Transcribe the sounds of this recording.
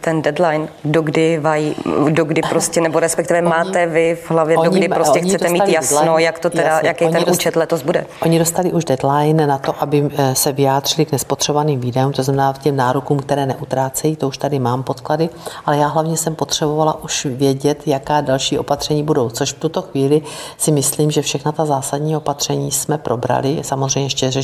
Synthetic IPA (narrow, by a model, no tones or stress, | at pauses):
t̪ɛndɛd̪lajndoɡdɪvajidoɡdɪpɾoscɛnɛboɾɛspɛkt̪ɪvɛmaːt̪ɛvɪvɦlavjɛdoɲɡɪdɪɾoscɛxɲt͡sɛtd̪ɛmiːaltjasnojakt̪ot̪ɛdaɲjakɛjot̪ɛnʔuːt͡ʃɛt̪lɛt̪ozbudɛ̰ʔoɲɪdost̪alɪʔuʒdɛd̪lajnnat̪o̞ʔabɪsɛvɪjaːd̪r̥ɪlɪknɛspot̪r̥ɛbovaniːmviːdɛuːmt̪o̞znamɛnaːcɛmnaːɾokuːmkt̪ɛɾɛːnɛʔut̪ɾaːt͡sɛjiːt̪o̞uʃt̪adɪmaːmpo̞t̪kladɪʔalɛjaːɦlavɲɛsɛmpo̞t̪r̥ɛbo̞valaʔuʃvjɛɟɛt̪jakaːdalʃiːʔo̞̰pat̪r̥ɛɲiːbudo̞wt͡so̞ʃft̪ut̪o̞xviːlɪsɪmɪsliːmʒɛfʃɛxnat̪azaːsadɲiːo̞pat̪r̝̥ɛɲiːsmɛpɾʔo̞bɾa̰lɪsamozrɛjɲɛɛʃcɛrɛ